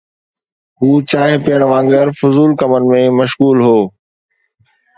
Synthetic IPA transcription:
ɦuːt͡ɕaːɦɪ̃pijəɽ̃ʋãːŋɡɪɾfʊzuːlkɐmənɪ̆mẽmɐʃɣuːlɦoː

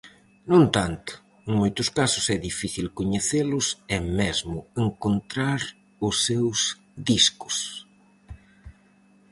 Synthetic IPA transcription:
nõnt̪ant̪ʊ̥ | eŋmojt̪ʊskasʊsɛðifiθilkoɲeθelʊsɛmɛzmʊeŋkont̪ɾaɾ | ʊsːews | ðiskʊ̥s

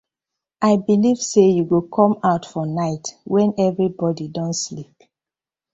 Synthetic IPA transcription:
ʔaɪbiliv̥sejuɡukʰɔ̃maʊtfɔnaɪtwɛ̃nɛvɹibɔdidɔ̃ntslip

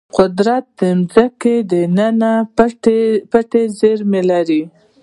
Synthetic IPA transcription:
qʊd̪ɾat̪̚d̪əmzaked̪ənana | paʈezeɾmelaɾi

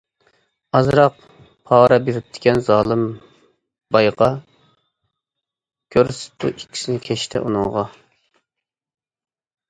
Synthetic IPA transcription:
ɑzɾɑq | pʰɑːɾɑbiɾɪp̚t̪ʰɪ̥kʲɛnzɑːlˠɨm | bɑjʁɑ | kʲʰøɾsɪ̥t̪ʰuʔikʲʰːi̥sɪnɪkʲʰɛʃt̪ʰɛ̰ʔṵnɨŋʁɑ

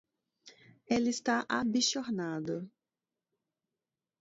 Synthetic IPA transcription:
elɪɪst̪aʔabisoɾnad̪ʊ

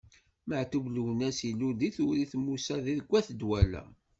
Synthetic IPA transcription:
məʕt̪uvlwnæsilud̪iθʊɾiθmːusæðiðəɡʷːæθəd̪wælæ̰

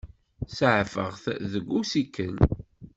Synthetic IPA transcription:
sʕfəʁθðəɡʷːusikːən

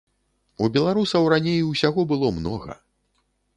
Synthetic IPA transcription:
ubʲɛlˠaɾusɐwɾanʲejusʲaɣɔbɨlˠɔmnɔɣɐ̰

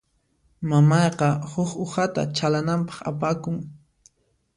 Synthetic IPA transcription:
mamɑjqɑhʊxohat̪a̰t͡ʃalanampɑ̥χa̰pakʊŋ

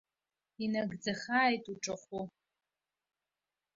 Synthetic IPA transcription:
inaɡd͡zɐχaːjtʼuʈ͡ʂʼɐχʷu

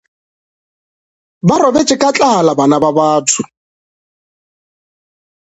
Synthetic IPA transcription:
baɾɔbɛt͡ʃʼɪkʼat͡ɬʼaalabanababaːtʰʊ

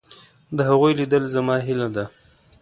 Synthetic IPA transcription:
d̪əɦaɣujlid̪əlzamɑɦɪlad̪a

